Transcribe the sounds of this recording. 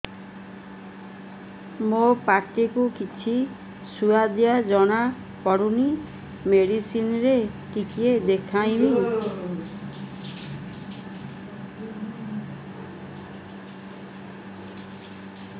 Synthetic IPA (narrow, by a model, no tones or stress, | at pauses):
mopaɾʈikukit͡ʃʰi | suad̪jad͡ʒɔɽ̃a | pɔɽuni | meɽisinɾeʈikied̪ekʰaj̃mi